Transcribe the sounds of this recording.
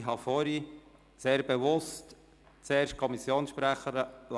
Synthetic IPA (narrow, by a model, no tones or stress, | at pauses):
ɦɑfɔɾi | seːɾbeʋʊst | t͡seːɾʃt̚kʰɔmisːjoːnsʃpɾæχəɾəl